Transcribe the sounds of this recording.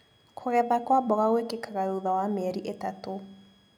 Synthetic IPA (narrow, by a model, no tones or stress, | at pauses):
kʰoɣɛðakwabɔɣaɣwekekaɣaɾoðawameɛɾiʔetato